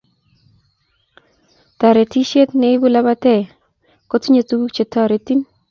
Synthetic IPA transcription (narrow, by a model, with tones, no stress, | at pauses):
t̪a˨ɾe˨ti˦ʃe˦t̪nɛ˦ɪ˦bu˦la˦ba˦tɛ˦˨ | ko˦ti˦ɲe˨tu˦ɡu˦t͡ʃe˨tɔ˨ɾe˨ti˦n